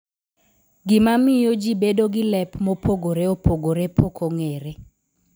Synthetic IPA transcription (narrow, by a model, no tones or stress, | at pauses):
ɡɪmamɪjod͡ʒibedoɡɪlɛpmopʰoɡoɾeopoɡoɾepʰokʰoŋeɾe